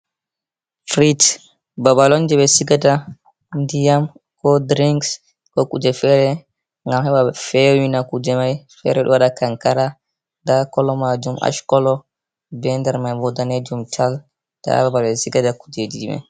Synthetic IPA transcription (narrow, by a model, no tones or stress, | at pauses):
fɾit | babalɔnd͡ʒɛɓɛsiɡada | ndijam | kɔdɾiŋks | kɔkud͡ʒɛfɛɾɛ | ŋɡamhɛɓafɛwinakud͡ʒɛmajfɛ̰ɾɛɗɔ̰waɗakaŋkaɾa | dakɔlɔmad͡ʒumʔa̰ʃkɔlɔ | bɛndɛɾmajbɔdaned͡ʒumtʰal | d̥a̰babalɓɛsiɡadaku̥d͡ʒedidḭma̰j